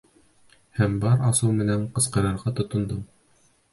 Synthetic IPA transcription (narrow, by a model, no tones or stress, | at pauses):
hæmbɑɾɑsɤwmɘ̆næɴqɤ̆sqɤ̆ɾɑɾʁɑt̪ŏt̪ŏnd̪ɤm